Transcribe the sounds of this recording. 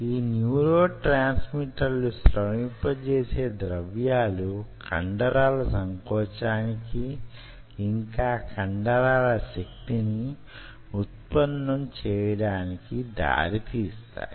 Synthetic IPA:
iːnjuːɾoːʈɾaːnsmiʈɐɾlusɾɐmipːɐt͡ʃeːse̞ːd̪ɾɐʋjaːlukʰɐ̰ɳɖɐɾaːlɐsɐŋkɔːt͡ʃaːnikiː | ŋkaːkʰɐɳɖɐɾaːlɐʃek̚t̪ini | ut̪̚pɐnːɐmt͡ʃɛːjɐɽaːnikid̪a̰ːɾit̪iːst̪a̰ːji

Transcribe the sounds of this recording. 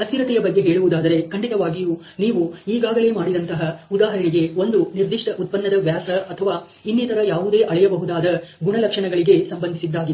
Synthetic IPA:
ɐst̪iɾɐt̪ɛjɐbɐɡːe̞ɦeːɭuʋud̪aːd̪ɐɾe̞kɐɳɖit̪ɐʋaːɡijuː | niːʋuiːɡaːɡɐle̞ːmaːɽid̪ɐnt̪ɐɦɐud̪aːɦɐɾɐniɡe̞o̞nd̪uniɾd̪iʂʈɐʔut̪̚pɐnːɐd̪ɐʋjaːsɐːt̪ʰɐʋaː | inːit̪ɐɾɐjaːʋud̪e̞ːʔɐɭɛjɐbɐɦud̪aːd̪ɐɡuɳɐlɐkʂɐɳɐɡɐɭiɡe̞sɐmbɐnd̪isid̪ːaːɡid̪

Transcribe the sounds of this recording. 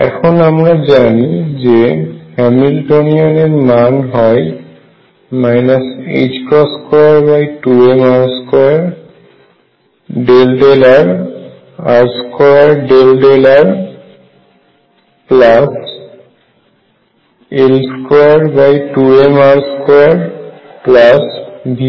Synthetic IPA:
ɛ̰kʰɔnamɹazanizehɛmilʈoniɔneɹnanɦɔj | majnasḛd͡ʒkɹɔskɔɹaɹbajtuemaɹskɔɹaɹ | ɖelɖelaɹ | aɹskɔaɹɖelɖelaɹ | plas | elskɔaɹbajʈuemaɾskɔaɹplasbʱi

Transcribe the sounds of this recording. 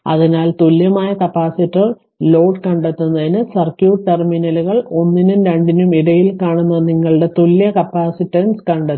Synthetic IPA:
ɐ̰ðinaːlt̪uljɐmaːjɐkɐpːaːsitːɐr | lo̞ːɖkɐɳɖet̪ːunːɐðinɨsɐrkjuːʈerminɐluɣɐɭo̞nːinumɾeɳɖinumiɽɐjilkaːɳunːɐniŋːɐɭɨɽe̞t̪uljɐkɐpːaːsitːɐnskɐɳɖɐt̪ː

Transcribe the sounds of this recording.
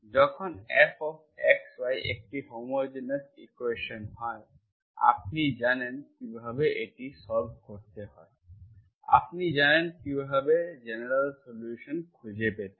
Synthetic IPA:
zɔkʰɔnɛpʰɔpɛkswajʔḛk̚ʈihomod͡ʒɛnasikweʃɔnhɔj | a̰p̚nizanɛnkibʱabeʔetisɔɹb̚ʱkɔɹt̪ɛhɔj | a̰pnizanɛnkibʱabezenɛɹalsoljuʃɔnkʰuzɛpɛt̪ɛ

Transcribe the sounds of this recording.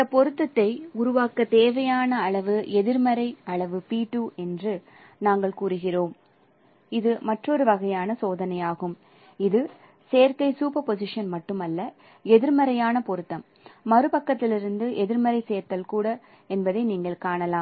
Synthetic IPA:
ɪnd̪ɐpːɔɾɯt̪ːɐt̪ːɐɪʊɾʊʋaːkɐt̪eːʋɐjaːnɐːɭɐʋɯʔɛðɪɾmɐɾɐɪɐɭɐʋɯpiːʈːuːɛndrɯ | naːŋɡɐɭkuːɾɯɣɪroːm | ɪðɯmɐʈrɔɾɯʋɐɣɐjaːnɐsoːðɐnɐjaːɣɯm | ɪðɯ | seːɾkɐɪsuːpɐpɔsɪʂɐnmɐʈːɯmɐlːɐ | ɛðɪɾmɐɾɐjaːnɐpɔɾɯt̪ːɐmː | ɐɾɯpɐkːɐt̪ːɪlɪɾɯnd̪ɯʔɛðɪɾmɐɾɐɪseːɾt̪ːɐlkuːɽɐ | ɛnbɐðɐɪniːŋɡɐɭkaːɳɐlaːm

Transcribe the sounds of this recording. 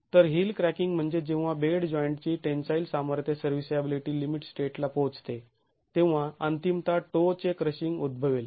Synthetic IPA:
t̪əɾɦiːlkɾækiŋɡm̤əɳd͡zed͡ʑẽw̃ʋ̃ʋabeɽd͡ʑɔjəɳʈt͡ɕiːʈensajilsaməɾt̪ʰjəsəɾʋisəbiliʈiːlimiʈsʈeʈlapot͡st̪e | t̪ẽʋ̃ʋ̤aənt̪imt̪aʈot͡ɕekɾəɕiŋɡud̪̚bʱəʋel

